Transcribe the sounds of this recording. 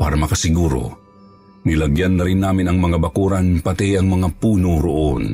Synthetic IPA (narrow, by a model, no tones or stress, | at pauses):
pa̰ːɾamɐkasɪɡuːɾo̰ | nɪlaɡjanːaɾɪnːaːmɪnɐŋmɐŋabakuɾanpat̪ijɐŋmɐŋapuːnoɾoʔon